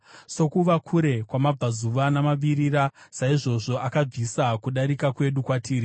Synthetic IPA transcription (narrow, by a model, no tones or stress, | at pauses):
sokuʋakʰuɾe̞kwamab͡vazuʋanamaʋiɾiɾasaiʐo̞ʐo̞akab͡visakuɗaɾikakwe̞ɗukwatʰiːɾi